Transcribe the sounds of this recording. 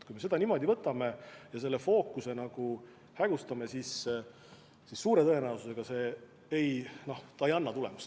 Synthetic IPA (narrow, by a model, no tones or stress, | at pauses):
t̪kujme̞se̞d̪̥ɑnimo̞d̪ʲivɤt̪ːˑɑme̞jɑse̞lːe̞fo̞ːkːˑuse̞nɑɡ̥u | hæɡ̥ust̪ɑme̞sis | sissuːɾe̞t̪ɤe̞næususe̞ɡ̥ɑse̞ː | ejno̞ht̪ɑejɑnːɑt̪ule̞̰mus